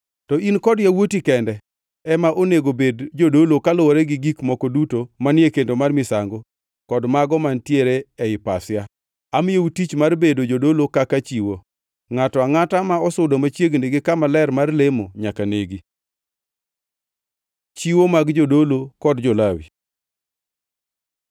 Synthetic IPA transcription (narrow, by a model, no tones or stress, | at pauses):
tɔinkɔdjawotikɛndɛ | ɛmaʔoneɡobedd͡ʒodolokaloɾɛɡɪɡikmɔkɔdutomanɪekendomarmɪsaŋɡo | kɔdmaɡɔmantjeɾeɛɪpa̰sɪja | amɪjeutit͡ʃmarbedod͡ʒodolokakat͡ʃiwo | ŋatɔaŋatamaɔsʊdomat͡ʃjeɡneɡɪkamalɛrmarlemoɲakaneɡi | t͡ʃiwomaɡd͡ʒodolokɔdd͡ʒolawḭ